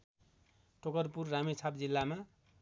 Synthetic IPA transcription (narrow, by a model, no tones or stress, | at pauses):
ʈʰokʌrpurːamit͡sʰapd͡zilːama